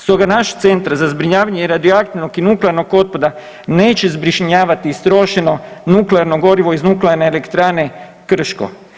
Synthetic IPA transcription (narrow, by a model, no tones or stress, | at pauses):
st̪o̞ɡanaʃt̪se̞nt̪ɾazazbɾiɲaːʋaɲeiɾad̪ioakt̪inokinukleaɾno̞ko̞t̪̚pod̪a | ne̞ːt͡ɕezbɾiʃɲaːʋat̪ist̪ɾo̞ʃeno̞nukleaɾnoɡo̞ɾiʋo̞iznukleaɾne̞ːlekt̪ɾaːne̞ | kr̩ʃko̰